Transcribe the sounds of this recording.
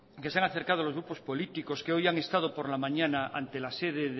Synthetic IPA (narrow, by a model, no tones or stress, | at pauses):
keseaŋaθe̞ɾkað̞oalo̞zɣɾupo̞spo̞lit̪iko̞skeojaŋe̞st̪að̞o̞po̞ɾlamãɲanaʔa̰nt̪e̞laseðeð